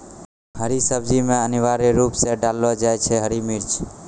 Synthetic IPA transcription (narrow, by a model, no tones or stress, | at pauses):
ɦəɾisəb̚d͡ʒimẽəniʋaɾeɾupseɖalːod͡ʒajt͡ʃʰeɦəɾimiɾd͡ʒ